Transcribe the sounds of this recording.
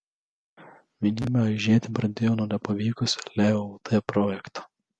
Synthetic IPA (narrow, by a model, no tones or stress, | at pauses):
ʋʲinʲiːmʲɛʒʲiːt̪ʲɪbɾɐnd̪ʲejoːnoːnʲɛpɐʋʲiːkʊsʲlʲɛot̪ʰɛpɾɔjɛkt̪ɐ̥